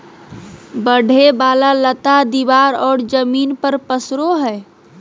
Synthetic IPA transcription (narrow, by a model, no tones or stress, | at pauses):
bəɖ̤ʱebalalət̪ad̪iʋaɾɔːɽd͡ʒəminpəɾpəsɾoɦɛ